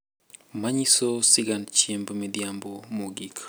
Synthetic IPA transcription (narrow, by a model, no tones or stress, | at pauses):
maɲisosiɡant͡ʃiembmidjambomoɡik